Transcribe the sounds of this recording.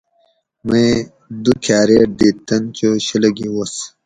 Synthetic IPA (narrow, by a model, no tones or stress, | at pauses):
mẽ | d̪ukʰaːɾeːʈ̚d̪it̪ːɐnt͡ɕoɕilɐɡiwos